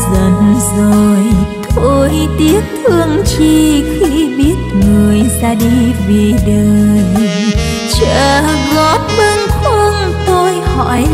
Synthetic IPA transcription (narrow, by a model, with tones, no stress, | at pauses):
zə˨˩nzo˨˩jt̪ʰo˧˩jt̪i˨˦ək̪̚ɨ˧əŋt͡ɕi˧xi˧ɓi˦˥ət̚ŋɨ˨˩əjzaː˧ɗi˧vḭ˧˩˨ɗə˨˧˩ | t͡ɕə˧˩˨ɣɔ˨˦p̚və˧ŋkwə˧ŋ | t̪o˧jhɔ̰˧˨j